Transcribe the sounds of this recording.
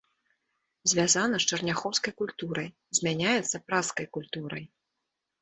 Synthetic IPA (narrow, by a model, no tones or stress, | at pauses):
zʲvʲazanɐst͡ʂɐrnʲaxɔwskɐjkulʲt̪uɾɐj | zʲmʲanʲajɛt̪sːɐpɾaskɐjkulʲt̪uɾɐj